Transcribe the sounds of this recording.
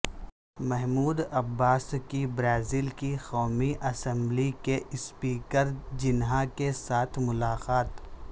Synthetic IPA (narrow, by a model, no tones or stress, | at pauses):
mɛɦmuːd̪ɐbːaːskibɾaːziːlkixɔːmiʔɐsə̃mblikeʔɪspiːkəɾd͡ʒɪnɦakesaːt̪ʰmʊlaːqaːt̪